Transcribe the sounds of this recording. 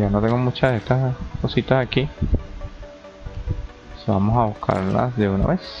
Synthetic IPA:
anot̪eŋɡomut͡ʃaest̪asko̞sit̪asaki | sba̰mosaβuskʰa̰ɾla̰sd̪euna̰βes

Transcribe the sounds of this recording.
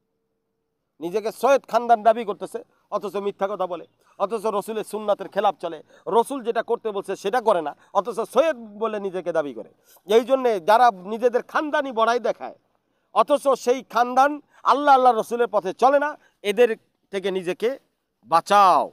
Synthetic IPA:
nid͡ʑekesojet̪kʰand̪and̪abikoɾt̪esʰe | ɔt̪ʰot͡ʃomit̪ʰːakɔt̪ʰabole | ɔt̪ʰosoɾosuleɾsunːat̪eɾkʰelap̚t͡ɕɔle | ɾosuld͡ʑeʈakoɾt̪ebolsʰeʃeʈakɔɾena | ɔt̪ʰososojet̪̚bolenid͡ʑeked̪abikɔɾḛ | ejd͡ʑonːed͡ʑaɾanid͡ʑed̪eɾkʰand̪anibɔɽajd̪ɛkʰa̰e | ɔt̪ʰosoʃejkʰand̪an | a̰lːaalːaɾːosuleɾpɔt̪ʰet͡ɕɔlena | ed̪eɾ | t̪ʰek̬enid͡ʑeke | bat͡ɕao

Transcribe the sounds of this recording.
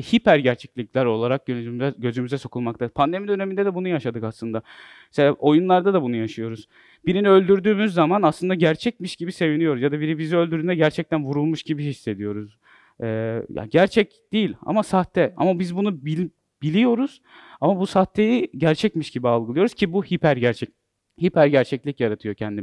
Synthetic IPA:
hipæɾɟæɾt͡ʃʰɛclʲicʲlʲæɾo̞lˠaɾak̚ɟønmzɛɟø̞zymyzɛso̞kʰulˠmak̚t̪ʰapʰand̪e̞mid̪ø̞ne̞mind̪ɛd̪ɛbunujaʃad̪ɯkaslˠɯnd̪amɛseaʔo̞junlˠaɾd̪ad̪abunujaʃɯjo̞ɾuz̥ | b̥iɾinø̞lʲd̪yɾd̪yːmyzːamanaslˠɯnd̪aɟæɾt͡ʃʰɛc̚miʃɟ̥ibise̞vinijoɾuzjad̪abiɾibiziø̞lʲd̪yɾnɛɟæɾt͡ʃʰɛc̚t̪ænvuɾulˠmuʃɟibiɦisːe̞d̪ijo̞ɾuz | ɛːja̰ɟæɾt͡ʃʰɛcd̪̥ijilʲa̰masaht̪ʰːɛa̰mabizbunubi | bilʲijo̞ɾuz̥ | amabusaht̪ʰːejiɟæɾt͡ʃʰɛcmiʃɟibialˠɡɯlˠɯjo̞ɾuz̥cʰibuhipʰæɾɟæɾt͡ʃʰɛc̚ | hipʰæɾɟæɾt͡ʃʰɛclʲicjaɾat̪ʰɯjo̞cʰɛnd̪i

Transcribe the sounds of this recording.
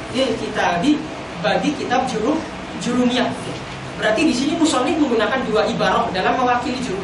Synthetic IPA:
jɛkit̪adi | badikit̪ab̚d͡ʒuɾʊf | d͡ʒuɾuniaja | bəɾart̪idisinimusɔniməŋɡunakanduaʔibaɾahdalamːəwakilid͡ʒuɾʊ

